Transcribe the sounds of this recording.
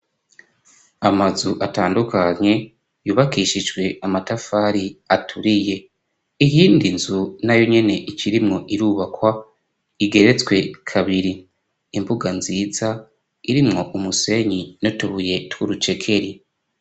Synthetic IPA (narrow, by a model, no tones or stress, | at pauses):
amazuʔataːndukaɲe̞ | juːβakiːʃid͡ʒɡwe̞ʔamatafaɾiatʰuɾije̞ | ijiːndinzunajo̞ɲe̞ne̞ʔiciɾimŋo̞ʔiɾuβakwa | iɡe̞ɾet͡skwe̞kʰaβiɾiː | mbuɡanziːza | iɾimŋo̞ʔumuse̞ɲinotuβuje̞twuɾut͡ʃe̞kʰe̞ɾi